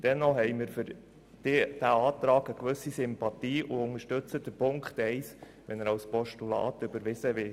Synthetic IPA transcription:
d̥ɛnːɔhɛɪməɾfʏɾ | d̥ɪd̥æɑːtɾɑːɡəkʋɵsisɪmpɑt̪iːʔuʊŋəʃtøt͡səd̥əpʊŋkχtɛɪs | ʋɛnəɾɑwspɔʃtulɑ̰ːtʏbəɾʋɪsəʋɪ

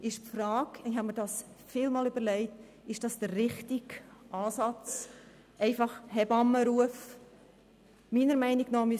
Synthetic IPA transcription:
ɪʃpfɾɑːkɪhɑməɾdɑs | fiːlmɑːlyb̥əɾlɛɪt | ɪʃd̥ɑsd̥ərːɪχtɪɡʔɑːsɑt͡s | ʔɛɪfɑχhɛbɑmːəɾuəf | miːnəɾmɛɪniɡnɔːmy

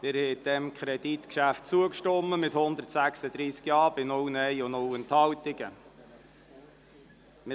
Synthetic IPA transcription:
ɪɾhɛd̪̥ɛmkʰχɾɛd̥̪it̪kʃæft̚t͡suəkʃtɔmːəmɪthʊnd̪əɾtsæksəd̪ɾiːskjɑːbɪnʊwnɛɪʊnʊwənt̪hɑwt̪ɪɡə | mɪ

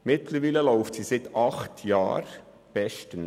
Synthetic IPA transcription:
mɪtləɾʋiːləlɔʊftsiːsɪtɑχtʰjɑ̰ːɾ | b̥ɛʃtən

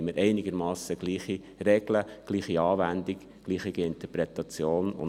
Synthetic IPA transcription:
məɾʔɛɪnɪɡ̥əɾmɑːsəɡ̥liːχi | rɛɡ̥ləɡ̥liːχiɑːvænd̪ik | ɡ̥liːχiɡiɪnt̪əɾpɾɛt̪ɑt͡sjoːnʊ̰n

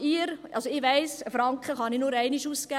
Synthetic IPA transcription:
iɾɑlsoɪʋæɪsəfɾɑŋkχəχɑninʊɾɛɪniʃuskæ

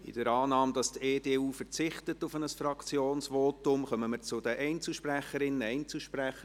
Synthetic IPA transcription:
ɪ̰d̥əɾɑːnɑːmd̥ɑsteːdeːuːfəɾt͡sɪχtətʊfənəsfrɑkt͡sjoːnsvoːtʊmχœməməɾt͡sʊd̥əʔɛɪnt͡sl̩ʃpræχəɾɪnəɛɪnt͡sl̩ʃpræχə

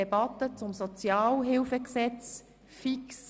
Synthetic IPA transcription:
ɛbɑt̪ət͡sʊmsɔt͡sjɑːlɦɪlfəksɛt͡s | fiks

